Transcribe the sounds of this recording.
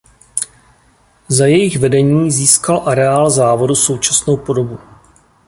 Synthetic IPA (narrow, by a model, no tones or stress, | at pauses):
zajɛjɪxvɛdɛɲiːziːskalʔaɾɛaːlzaːvo̞duso̞wt͡ʃasno̞wpo̞do̞bu